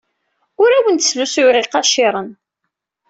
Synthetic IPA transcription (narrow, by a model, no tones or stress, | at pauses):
ʊɾæwənt̪slusuɾiqɑʃɪɾˤən